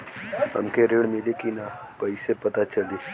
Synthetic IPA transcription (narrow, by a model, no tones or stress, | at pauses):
ɦɐ̰mkeɾeːɽmɪlekinapɐisepɐt̪at͡ʃɐld̪i